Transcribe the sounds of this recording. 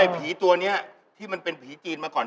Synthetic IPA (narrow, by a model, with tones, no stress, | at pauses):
a˧˩pʰiː˩˦t̪u˧ɐni˦˥ɐ | t̪ʰiː˥˩ma˧npe˧npʰiː˩˦t͡ɕiː˧nmaː˧kɔː˨˩n